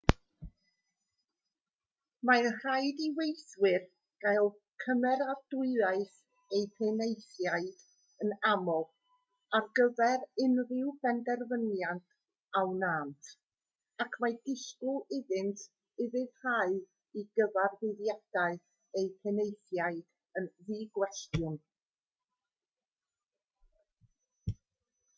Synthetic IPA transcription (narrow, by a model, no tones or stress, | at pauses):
manr̥ajdiwejswɪr | ɡ̥ajlˠ | kʰəmɛɾardʊɨðaɨs | ejpʰenejθjaɨd̥ | ənamɔ | arɡəvɛɾɪnrɪwbɛndɛrvənjantʰ | awnaːntʰ | akʰmajdɪɬkʊɪðɪntʰ | ɪðɪðraɨ | iɡəvarðɪðjad̥aɨθ | ejpʰenejθjaɨd̥ | ənðiːɡwɛstjʊn